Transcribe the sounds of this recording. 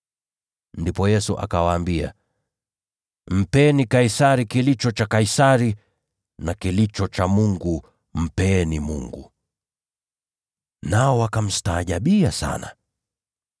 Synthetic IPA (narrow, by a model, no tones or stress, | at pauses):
ndipɔjɛsuʔa̰kawaːmbia̰ | m̩pɛnikaisaɾikilit͡ʃɔt͡ʃakaisaɾi | nakilit͡ʃɔt͡ʃamuŋɡu | m̩pɛnimṵŋɡu | naɔwakam̩si̥taːʄaɓiasa̰na̰